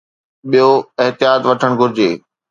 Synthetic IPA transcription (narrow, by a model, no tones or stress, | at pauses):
ɓijoɪɦt̪ɪjaːt̪ʋɐʈʰəɽ̃ɡʱʊɾɪd͡ʑeː